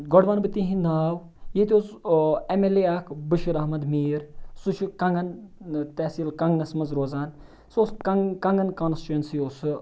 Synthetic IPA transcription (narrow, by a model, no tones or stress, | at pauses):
ɡɔɖʋanbɨt̪iɦĩnaːw | jet̪ʲoːsemeleaːkʰbɨʃiɾɐɦmɐd̪miːɾsut͡ʃʰukɐŋɡɐnt̪ɛːsilkɐŋɡnɐsmɐzɾoːzaːn | soːskɐkɐŋɡɐnkoːnst͡ʃɐnsioːs